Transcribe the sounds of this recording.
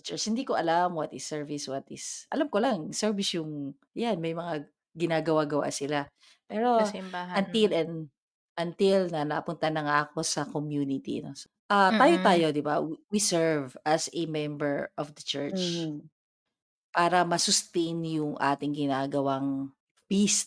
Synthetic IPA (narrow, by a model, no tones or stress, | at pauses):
t͡ʃɛɹt͡ʃhɪnd̪iːkoʔɐlamwɐt̪ɪsːɛɹvɪswɐt̪ɪsʔɐ̰lamkolaŋsɛɹvɪsjʊŋ | janmɐjmɐŋa | ɡɪnaːɡɐwaɡɐwa̰ʔsɪla | pɛːɾo̞aɐnt̪ɪlɛn | ʔɐnt̪ɪlnɐnɐkɐpʊnt̪ɐnɐŋaʔɐko̞sɐkomjuːnɪt̪ḭɐ̰nos | ʔat̪aːjot̪aːjo̞d̪ɪbawwisɛɹvɐsɛmɛmbɛɹʔɔfd̪ɐt͡ʃɛɹt͡ʃ | paːɾɐmɐsʊst̪ejnjʊŋʔa̰ːt̪ɪŋɡɪnaːɡɐwaŋ | pist̪̚